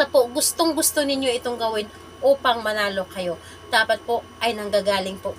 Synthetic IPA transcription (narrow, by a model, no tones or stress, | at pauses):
sɐpo̞ɡʊst̪oŋɡʊst̪onɪnɲjo̞ʔɪt̪o̞ŋɡɐwɪn | ʔoːpɐŋmɐnaːlo̞kɐjo̞ | d̪̥aːpɐt̪̚po̞ʔɐjnɐŋɡaːɡaːlɪŋpo̞ʔ